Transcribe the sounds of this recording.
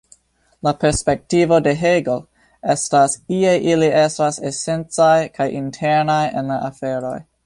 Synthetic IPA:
lape̞ɾspe̞k̚tivo̞de̞ɦeɡo | e̞stasiejʔiliʔe̞stasese̞nt͡sajkʰajʔintʰe̞ɾnajḛnlaʔafeɾo̞̰j

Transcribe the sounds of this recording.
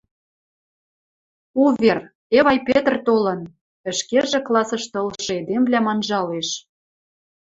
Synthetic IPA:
uβer | eβɑjpet̪rt̪olɤ̆n | ə̆ʃkeʒĕklˠɑsɤ̆ʃt̪ɤlʃɤ̆ed̪emblʲæmɑnʒɑleʃ

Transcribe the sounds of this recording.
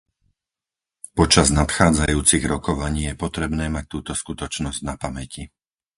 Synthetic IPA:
pɔt͡ʃaznat̪xaːd͡zajuːt͡siɣɾɔkɔʋaɲiːjɛpɔt̪ɾɛbnɛːmac̚t̪uːt̪ɔskut̪ɔt͡ʃnɔzɟnapamɛci

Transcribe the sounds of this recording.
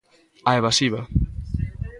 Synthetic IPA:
aeβasiβa

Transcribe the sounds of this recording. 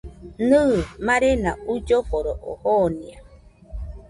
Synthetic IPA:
nɨːmaɾena̰ud͡ʒofoɾoʔo̰honĩa

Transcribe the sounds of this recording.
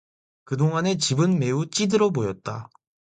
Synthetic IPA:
kɯdoŋane̞t͡ɕibɯnme̞ut͡ɕ͈idɯɾʌbojʌt̚t͈a

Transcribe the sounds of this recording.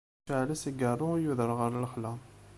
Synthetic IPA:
aʕlæsəɡərˤːʊjuðəɾˤʁəɾləχlæ

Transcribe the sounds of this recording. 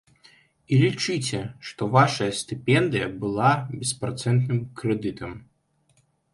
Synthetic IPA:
ilʲit͡ʂɨt͡sʲɛʂt̪ɔvaʂɐjɐsʲt̪ɨpʲɛnd̪ɨjɐbɨlˠabʲɛspɾɐt̪sɛnt̪nɨmkɾɛd̪ɨt̪ʰɐm

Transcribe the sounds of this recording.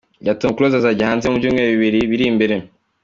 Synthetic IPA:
ɟatuukuɾozazaɟihaːnzemubjuːmŋeβiβiɾiβiɾimbeɾe

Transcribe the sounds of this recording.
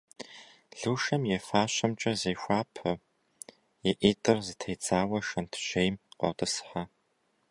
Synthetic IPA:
ɮuːʃɐmjɛfaːɕɐmt͡ʃʼɐzejxʷaːpʰɐ | jɛʔiːtʼɨrzɨtʰejt͡sʼaːwɐʃɐntʰʒ̥ejmqʷɔ̰wtʼɨsħa

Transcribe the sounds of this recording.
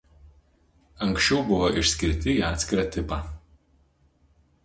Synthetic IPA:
ɐŋksʃʲt͡ʃʲɛʊbʊʋoʔɪʃʲsʲkʲɪɾʲt̪ʲɪiːɑːt̪sʲkʲɪɾɑːt̪ʲɪpɑ

